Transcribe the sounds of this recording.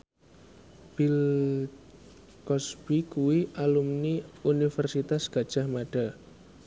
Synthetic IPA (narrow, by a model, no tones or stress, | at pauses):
b̥il | kɔsb̥ikuwiʔalumniunifərsit̪asɡ̥a̤d̥ʒ̥a̤hmaɖ̥a